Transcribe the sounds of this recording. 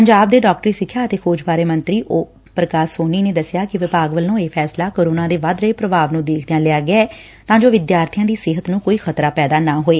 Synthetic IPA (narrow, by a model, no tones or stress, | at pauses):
pəɲd͡ʒaːb̚d̪eːɖɔːkʈɾiːsɪkʰːjaːət̪eːkʰoːd͡ʒbaːɾeːmə̃nt̪ɾiːʔoː | pɾəkaːsoːniːneːd̪əsɪjaːkɪʋɪpaːɡʋəlːõːeːpʰɛːslaːkoːɾoːnãːd̪eːʋad̪ɾəeːpɾəbaːʋnũːd̪eːkʰd̪ejãːlɪaːɡɪaɛː | t̪ãːd͡ʒoːʋɪd̪jaːɾt̪ʰijãːd̪iːsɪɦət̪nũːkoːiːxʰət̪ɾaːpɛːd̪aːnãːɦoːeː